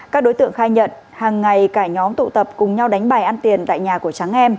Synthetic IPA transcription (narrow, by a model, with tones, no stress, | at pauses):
kaː˦˥k̚ɗo˨˦jt̪ɨ̰˧˨əŋxaː˧jɲə̰˧˨n | haː˨˩ŋːa˨˩jkaː˧˩ɲɔ˨˦mt̪ṵ˧˨t̪ə˨˩p̚kʊ˨˩ŋ͡mɲa˧wɗa˨˦jŋ̟ɓaː˨˩jʔa˧nt̪i˨˩ənt̪a̰ː˧˨jɲaː˨˩ku˧˩ət͡ɕa˨˦ŋʔɛ˧m